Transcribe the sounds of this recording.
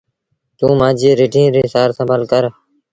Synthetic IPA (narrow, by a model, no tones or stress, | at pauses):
t̪ũːmaːd͡ʒiːɾeːʈĩːɾeːsaːɾsəmbʱəlkəɾ